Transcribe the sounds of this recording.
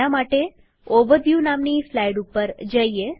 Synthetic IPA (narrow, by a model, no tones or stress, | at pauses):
amaʈe | oʋəɾʋjunamnislajɽupːəɾd͡ʒəie